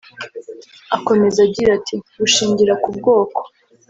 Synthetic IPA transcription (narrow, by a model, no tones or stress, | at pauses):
ako̞me̞zaɟiɾatʰiɡuʃiːɲɟiɾakub̚ɡo̞ːko̥